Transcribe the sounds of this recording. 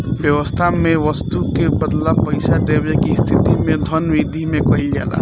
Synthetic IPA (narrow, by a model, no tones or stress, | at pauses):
bjəwəst̪ʰameʋəst̪ukebəd̪labpəɪsad̪ebekist̪ʰit̪imed̪ʱənʋid̪ʱimekəɦild͡ʒa̰la̰